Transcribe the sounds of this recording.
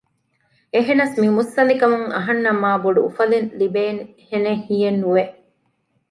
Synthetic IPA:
eɦenɐsmimusːɐnikɐmuŋɐɦɐnːɐmaːboɖṵːfɐlenlibeːn | henehiːjenːuʋeʔ

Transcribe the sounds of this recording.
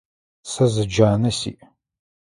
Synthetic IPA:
sɐzɨd͡ʒaːnɐsḭːʔ

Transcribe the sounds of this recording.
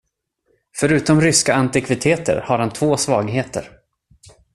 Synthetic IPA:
fœɾʉ̟ːt̪ɔmɾʏskaant̪ɪkʰvɪt̪ʰeːt̪ə̰ɾhaɾhant̪ʰvoːsvɑːɡɦeːt̪ə̰ɾ

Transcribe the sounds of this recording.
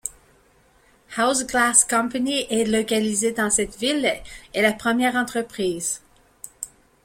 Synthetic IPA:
hawsɡlaskɑ̃paniʔɛlɔkalized̪ɑ̃sɛt̪vilɛlapχəmjɛːʁɑ̃t̪χəpχiːz

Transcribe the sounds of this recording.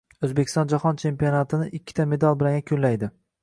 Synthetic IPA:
ɵzbekʲɪ̥st̪ɒ̃nd͡ʒahɒnt͡ʃʰe̞mpionat̪ʰɪnɪʔɪkʲʰːɪ̥t̪ʰame̞d̪alˠbɪlaŋʲakʲʰɵnlajd̪ɪ

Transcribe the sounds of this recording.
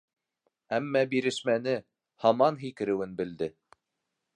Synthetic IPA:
æmːæbiɾɘ̆ʃmænɘ | hɑmɑnɦikɘ̆ɾɘ̆wɘnbɘ̆ld̪ɘ

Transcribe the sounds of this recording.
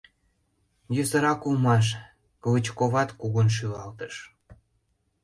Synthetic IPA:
jøsə̆ɾɑkulmɑʃ̬ | kələt͡ɕkoβɑt̪kuɣonʃ̬yɣɑlt̪əʃ

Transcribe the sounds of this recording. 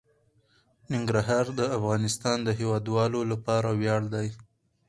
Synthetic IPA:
nɪŋɡɾaɦɑɾd̪əafɣɑnɪst̪ɑnd̪əɦewɑd̪wɑlolapɑɾawjɑɽd̪aj

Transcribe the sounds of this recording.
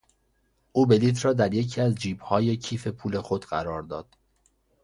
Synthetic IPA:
ʔuːbe̞liːt̪ʰɾɒːd̪æɾjecʰiːæzd͡ʒiːbhɒːje̞cʰiːfe̞pʰuːle̞xo̞d̪ɢæɾɒːɾd̪ɒːd̪̥

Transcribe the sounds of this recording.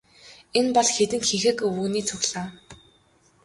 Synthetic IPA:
enpɔɮxet̪ɘ̆nxixɘ̆kuːniːt͡sʰʊɣɮaː

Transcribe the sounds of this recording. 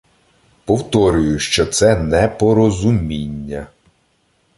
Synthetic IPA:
pɔwt̪ɔɾʲʊjʊʃt͡ʃɔt̪sɛnɛpɔɾɔzʊmʲinʲːɐ

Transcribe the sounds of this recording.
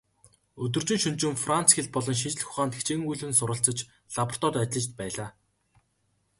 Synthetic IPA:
ɵt̪ɵ̆r̥t͡ɕɪ̆ŋʃɵnt͡ɕɪ̆mfran̥t͡sxeɮ̚pɔɮɞ̆nʃ̬it͡ɕɮ̆xʊ̥χaːnt̪e̥xt͡ɕeːŋujɮwɘ̆nsʊɾə̆ɬt͡sə̆t͡ɕ | ɮapə̆r̥t̪ɔːt̪at̪ʲɪɮə̆t͡ɕt̪̚pæːɮaː

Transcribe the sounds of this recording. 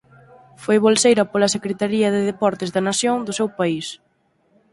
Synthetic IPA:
fojβolsejɾɐpolɐsekɾet̪aɾiɐðeðepɔɾt̪ɪzðɐnasjoŋd̪ʊsewpais

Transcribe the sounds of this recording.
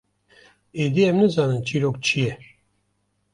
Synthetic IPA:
ed̪iɛmnɨzaːnɨnt͡ʃʰiɾok̚t͡ʃʰijɛ

